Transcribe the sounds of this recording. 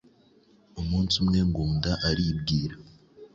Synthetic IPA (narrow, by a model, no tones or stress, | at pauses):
omuːnsumŋe̞ːŋɡuːndaʔaɾibɡiːɾa